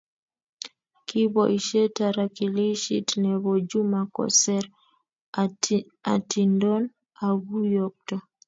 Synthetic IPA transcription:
kʰibɔʔiʃɛtaɾakiliʃḭtnɛβɔd͡ʒumakɔ̰sɛɾ | atindɔn | aɡujɔk̚tɔ

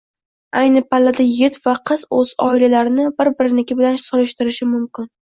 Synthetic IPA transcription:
ajnɪpʰalːad̪ajɪɡɪt̪vaqʰɨz̥ɵzɒ̰ɪlalaɾɪnɪbɪɾbɪɾɪnɪkʲɪbɪlansoɾɪʃt̪ɪɾɪʃɪmʊmkʲɪn

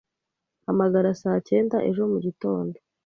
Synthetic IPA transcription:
hamaɡaɾasaːce̞ːndaʔe̞ʒo̞muɟito̞ːndo̞

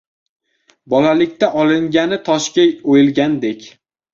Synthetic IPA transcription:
bɒlalɪkʲt̪aʔɒlɪŋɡʲanɪt̪ʰɒʃkʲaojɪlɡʲand̪ekʲ

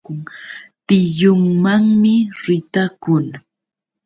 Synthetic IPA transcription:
ʊŋt̪ɪjʊŋmaŋmɪɾɪt̪akʊl

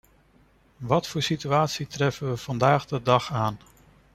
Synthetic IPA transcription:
ʋɑtfʊːɹsityaːtsitrɛfənʋəv̥ɑndaːχdədɑχaːn

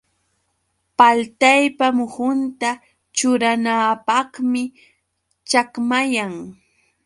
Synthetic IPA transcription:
palt̪ajpamʊhʊnt̪a | t͡ʃʊɾanaːpɑχmɪ | t͡ʃakmajaŋ

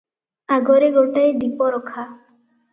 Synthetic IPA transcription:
aɡɔɾeɡoʈajd̪ipɔɾɔkʰa

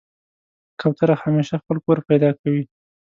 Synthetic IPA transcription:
kʰawt̪aɾahameʃaxpəlkoɾpajd̪ɑkawi

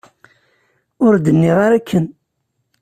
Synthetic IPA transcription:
ʊɾd̪ənːɪʁaɾakʰːən

